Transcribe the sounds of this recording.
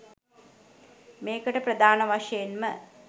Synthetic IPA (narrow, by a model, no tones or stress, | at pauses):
meːkəʈəprɐd̪ʱaːnɐʋaʂɐjenmə